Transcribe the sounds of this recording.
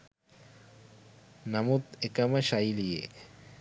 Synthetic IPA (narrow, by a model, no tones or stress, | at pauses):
namut̪ekamaʃajlijḛ